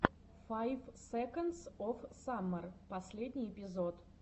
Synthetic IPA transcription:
fajfsɛkənt̪sɔfsamːərpɐsʲlʲedʲnʲɪjɪpʲɪzot̪

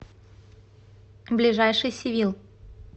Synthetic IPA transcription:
blʲɪʐajʂɨjsʲɪvʲilˠ

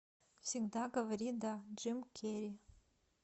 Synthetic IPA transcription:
siŋd̪aɡɐvɐɾid̪ad͡ʒɨmkʲʰeɾi

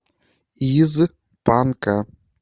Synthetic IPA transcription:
ijɪzɨk | panka

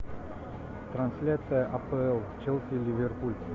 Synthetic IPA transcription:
t̪ɾansʲlʲat̪sɨjəʔapəɛlˠt͡ʃelˠsʲilʲivʲerpulʲ

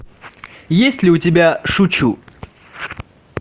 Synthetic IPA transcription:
jesʲtʲlʲɪʊtʲɪbʲaʂut͡ɕu

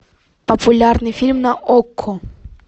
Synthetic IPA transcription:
pɐpulʲarnɨfʲilʲmnɐʔɔkʰːɔ

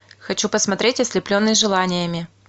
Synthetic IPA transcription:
xɐt͡ɕupəsmɐt̪ɾʲetʲɐsʲlʲɪplʲonːɨsʲʐɨlˠanʲɪjəmʲɪ

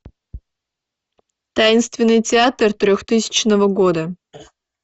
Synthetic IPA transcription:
t̪ajɪnst̪vʲɪnːɨjtʲɪat̪rt̪ɾʲoxt̪ɨsʲɪ̥t͡ɕnəvəɡod̪ə

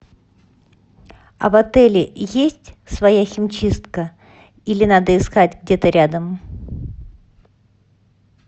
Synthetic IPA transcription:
ɐ̰vɐt̪ɛlʲɪjesʲtʲ | svɐjaxʲɪmt͡ɕist̪kə | ilʲɪnad̪əɪskatʲɡdʲe̞t̪əɾʲad̪əm

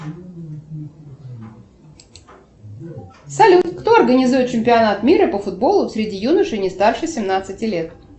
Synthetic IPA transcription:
sɐlʲut̪kt̪oɐrɡənʲɪzujɪt̪t͡ɕɪmʲpʲɪɐnat̪mʲiɾəpəfʊd̪̚bo̞lˠʊsʲɾʲɪdʲijunəʂɨnʲɪst̪arʂɨsʲɪmnat̪sɨtʲɪlʲe̞t̪

